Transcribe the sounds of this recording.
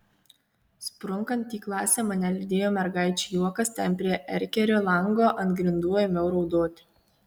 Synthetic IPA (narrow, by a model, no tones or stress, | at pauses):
spɾʊŋkɐnt̪ːʲiːklˠɑːsʲeːmɐnʲɛlʲɪd̪ʲeːjoːmʲɛɾɡɑˑɪt͡ʃʲujuɔkɐst̪ʲɛnʲpʲɾʲiɛʔɛɾʲkʲɛɾʲoːlˠɐŋɡoːʔɐnt̪ɡɾʲɪnd̪uɔjoːmʲɛʊɾɔʊd̪oːt̪ʲɪ̥